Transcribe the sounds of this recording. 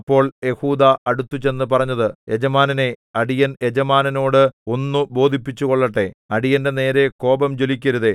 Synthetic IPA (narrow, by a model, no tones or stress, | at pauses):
ɐpːo̞ːɭje̞huːd̪aɐɽut̪ːut͡ɕe̞nːɨpɐrɐɲːɐðɨe̞d͡ʑɐmaːnɐne̞ɐɽijɐned͡ʑɐmaːnɐno̞ːɽɨo̞nːubo̞ːd̪ʱipːit͡ɕːukoɭːɐʈːe̞ɐɽijɐnde̞ne̞ːɾe̞ko̞ːbɐmd͡ʑo̞likʲːɐɾuðe